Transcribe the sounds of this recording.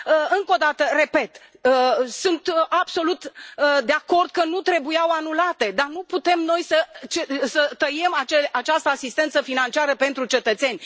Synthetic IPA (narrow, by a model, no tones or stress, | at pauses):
ɨŋko̞d̪at̪əre̞pe̞t̪ | sunt̪abso̞lut̪d̪eako̞rd̪̚kənut̪ɾe̞bujawanulat̪e̞d̪arnuput̪e̞mno̞jsət͡ʃesət̪əjemat͡ʃelat͡ʃast̪əasist̪e̞nt̪səfinant͡ʃiaɾəpe̞nt̪ɾut͡ʃe̞t̪ət̪se̞nʲ